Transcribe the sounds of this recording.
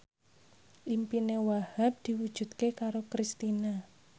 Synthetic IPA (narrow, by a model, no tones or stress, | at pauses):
ʔimpinewahap̚d̪̥i̤wud̥ʒ̥ṳd̪̚kekaɾokɾist̪ina